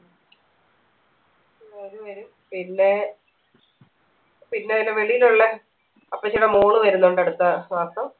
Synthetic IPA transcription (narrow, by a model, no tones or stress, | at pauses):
ɐðɨʋɐɾum | pinːe̞ | pinːeilːeʋe̞ɭijiluɭːe | ɐpːɐt͡ɕːiɽɐmuːɳɨʋɐɾunːoɳɖɐɽut̪ːɐʋaːst̪ɐm